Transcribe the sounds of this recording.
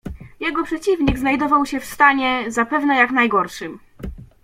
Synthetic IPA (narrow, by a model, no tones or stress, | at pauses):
jɛɡɔpʂɛt͡ɕivɲiɡznajd̪ɔvawɕɛfst̪aɲɛzapɛvnɛjaknajɡɔɾʂɘm